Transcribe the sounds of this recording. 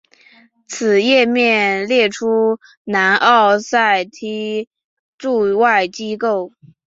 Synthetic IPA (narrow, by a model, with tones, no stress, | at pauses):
t͡sʰɹ̩˨˩jɛ˥˧mjɛ˥˧nljɛ˥˩ʈ͡ʂʰu˥ | na˧˥nʔɑ˥˧ʊsa˥˩ɪt̪ʰi˧˥ | ʈ͡ʂu˥˧wa˥˩ɪt͡ɕi˥ko˥˩ʊ